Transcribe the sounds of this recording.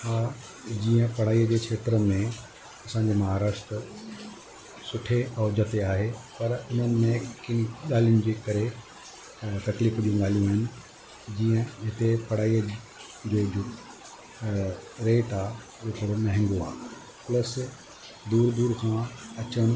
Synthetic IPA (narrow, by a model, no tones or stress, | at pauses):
aː | d͡ʑiːə̃pɐɽ̤aːijəd͡ʑeːkʰeːt̪ɾəmẽ | ɐsãːɲd͡ʑeːmɐɦaːɾaːʃt̪ɾ | sʊʈʰeʔɔːd͡ʑɐt̪eaːɦepɐɾʊn̤ənɪ̆mẽkɪnɠaːl̤ijʊnɪ̆d͡ʑeːkɐɾe | t̪ɐkliːfd͡ʑũɡaːl̤ijũaːɦɪnɪ̆ | d͡ʑiːə̃ɦɪt̪epɐɽ̤aːiə | d͡ʑod͡ʑʊ | ɾeːʈaː | d͡ʑoːkəɾonɐɦɪ̃ŋɡoa̰ː | plɐs | d̪uːɾd̪uːɾkʰãɐt͡ɕənɪ̆